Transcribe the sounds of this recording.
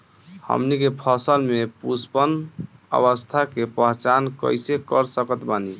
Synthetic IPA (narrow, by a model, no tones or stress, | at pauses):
hə̰mnikepʰəsəlmepuspənə̰βəst̪ʰakepəɦt͡ʃankə̰jsekəɾsəkət̪bani